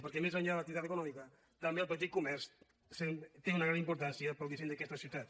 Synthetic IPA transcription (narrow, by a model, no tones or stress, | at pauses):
pəɾkɛmezaɲʎaðələk̚t̪iβit̪at̪əkunɔmikə | t̪əmbeəlˠpət̪̬it̪̚kumɛɾs | set̪eunɐɣɾanimpuɾt̪ansijəpəlˠd̪iseɲd̪əkɛst̪əsiwt̪at̪